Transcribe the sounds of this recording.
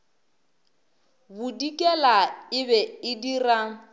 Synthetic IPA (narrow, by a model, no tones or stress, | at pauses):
bʊdikʼɛlaɪbɛɪdiraŋ̩